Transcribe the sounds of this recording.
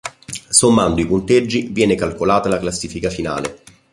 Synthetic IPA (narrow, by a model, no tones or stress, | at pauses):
somːand̪oipunt̪ed͡ʒːivjɛːnekalkolaːt̪alaklasːiːfikafina̰ːlḛ